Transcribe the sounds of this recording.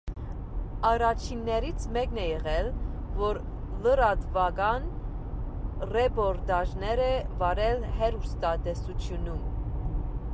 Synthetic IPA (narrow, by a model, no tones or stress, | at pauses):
ɑɾɑt͡ʃʰinːɛɾit͡sʰmɛknɛjɛʁɛlvɔɾ | ləɾɑd̪vɑkɑn | rɛpɔɾt̪ɑʒnɛɾɛvɑɾɛlɦɛɾust̪ɑd̪ɛsut͡sʰjunum